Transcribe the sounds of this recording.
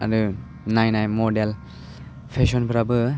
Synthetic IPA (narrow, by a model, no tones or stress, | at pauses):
a̰du | najnajmodel | pʰesonpʰɯɾabɯ